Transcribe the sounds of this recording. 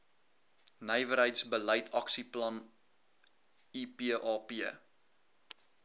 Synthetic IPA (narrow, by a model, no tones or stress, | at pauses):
nəjvəɾɦəjtsbələjtʰɐksiplɐn | ipiəʔɑːpi